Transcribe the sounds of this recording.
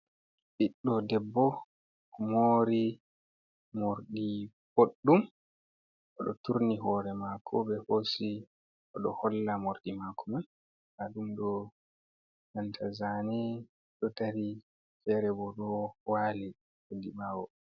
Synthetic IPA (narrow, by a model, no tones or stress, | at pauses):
ɗiɗːɔdɛbːɔ | ɔmoːɾi | moɾdi | boɗːum | ʔɔɗɔtuɾniɦɔɾɛmakʰɔbɛhosi | ʔɔɗɔhɔlːamoɾdimakʰɔman | haɗumɗɔ | nantʰazanɛ | ɗɔtaɾi | fɛɾɛbɔɗɔwaːli | odibaːwɔ